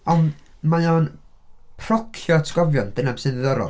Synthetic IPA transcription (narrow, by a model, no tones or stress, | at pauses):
ɔn | majɔn | pʰrɔkʰjɔtʰɡ̥ɔvjɔnd̥ɨnabsɨðɨðɔɾɔ̰